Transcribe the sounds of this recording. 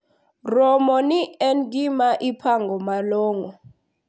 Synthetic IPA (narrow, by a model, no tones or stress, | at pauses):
rɔmɔniɛnɡ̬ʼimaʔipʰaŋɡɔmalɔːŋɔ